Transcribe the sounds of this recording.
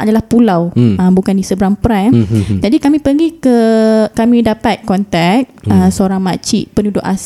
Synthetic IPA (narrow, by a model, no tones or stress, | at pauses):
ʔa̰dalahpulawəmbukandisəbɾaŋpɾɛnd͡ʒadikamĩpəɡikəkamĩdapat̪̚kɔnt̪ɛk̚əsəoɾaŋmat͡ʃiʔpənudʊʔa̰s